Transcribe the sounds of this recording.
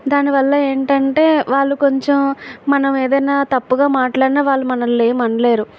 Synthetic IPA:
d̪aːniʋɐlːɐe̞ːɳʈɐɳʈe̞ːʋaːɭːuko̞ɲt͡ʃemːɐnɐmeːd̪ɐjnaːt̪ɐpːuɡaːmaːʈlaːɽinaːʋaːɭːumɐnɐlːeːmɐɳɖɐleːɾu

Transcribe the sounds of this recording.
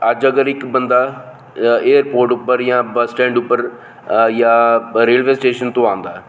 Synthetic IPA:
əd͡ʒəɡəɾɪkbənd̪aː | eːəɾpoːɾʈʊpːəɾjãːbəsʈɛ̃ːɳɖʊpːəɾ | jãːɾeːlʋeːsʈeːʃənt̪õːãːnd̪aːɛː

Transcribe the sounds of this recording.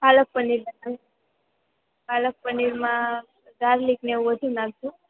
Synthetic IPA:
balək̚pəniɾbəna | palək̚pəniɾmã | ɡaɾlikneũʋəd̪ʱunãɡ̚ʱd͡ʒũ

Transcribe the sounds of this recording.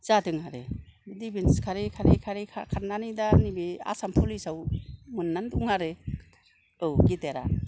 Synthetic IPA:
zatɯŋaɾḛbdibinskʰaɾikʰaɾikʰaɾikʰakʰaɾnanidanibea̰sampʰulisawmunːanduŋaɾe | ɯwɡiteɾa̰

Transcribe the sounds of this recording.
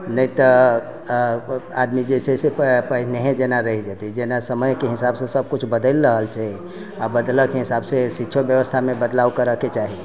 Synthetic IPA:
nəit̪ə | ad̪mid͡ʒesesepəɦneɦẽd͡ʒenaɾəɦid͡ʒat̪id͡ʒenasəməjkeɦisabsẽsəb̚kut͡ʃʰbəd̪əlɾəɦəlt͡ʃʰɛ | abəd̪ləkeɦisabsesitːʃʰobjəʋəst̪ʰamẽbəd̪lawkəɾəket͡ʃaɦi

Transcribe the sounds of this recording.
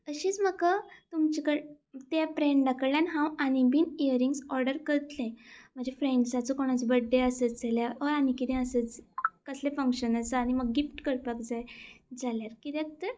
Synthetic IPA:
əɕiːt͡sməkat̪umt͡ɕikəɾe | t̪japɾeɳɖɖakəljanɦãwañibinijəɾiŋɡsɔɾɖəɾkəɾət̪lẽm̤əɳd͡ʑefɾẽɳɖsat͡səkoɽ̃ət͡sbəɖːeəsət͡sd͡zaljaəəɾañikit̪ɛ̃əsət͡skəslefəŋkɕənəsəaɽ̃iməɡɡifʈkəɾpəkd͡zajd͡zʱaljaɾkit̪ek̚t̪ə

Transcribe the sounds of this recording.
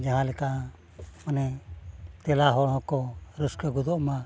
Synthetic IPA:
d͡ʒaɦãlɛk̪a | manɛ | t̪ɛlaɦɔɽ̃ɔ̃kɔɾuskəɡud̪ɔʔmã

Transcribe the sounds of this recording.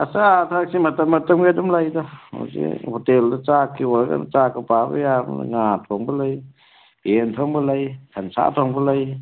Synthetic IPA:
asatʰak̚simatamːatɐmɡadɔmlajdɔɔ̰sḭhɔteldɔt͡ʃakːiwɔɾɡa̰nt͡ʃakɔpabɔ̰jam̰ŋatʰɔŋbɯlaj | entʰɔŋbɯlajkʰansa̰tʰɔŋbɯlaj

